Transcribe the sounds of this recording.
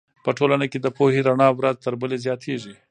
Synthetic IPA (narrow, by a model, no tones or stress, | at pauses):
pəʈolanaked̪əpoheɾaɳɑwɾaz̚t̪əɾbəlezjɑt̪ʰeʒi